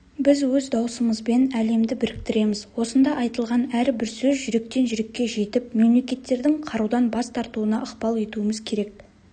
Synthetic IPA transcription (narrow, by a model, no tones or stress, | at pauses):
bɪzwɵzd̪ɑwsəməzbe̞næle̞md̪ɪbɪɾɪk̚t̪ɪɾe̞mɪzwo̞sənd̪ɑʔɑjt̪əlˠʁɑnæɾbɪɾsɵzʒʏɾe̞k̚t̪e̞nʒʏɾe̞kʲːe̞ʒe̞t̪ɪp̚me̞mle̞kʲe̞t̪ːe̞ɾd̪ɪŋqʰɑɾud̪ɑnbɑst̪ʰɑɾt̪uənɑʔəqpɑlˠe̞t̪uəməzkʲʰe̞ɾe̞k̚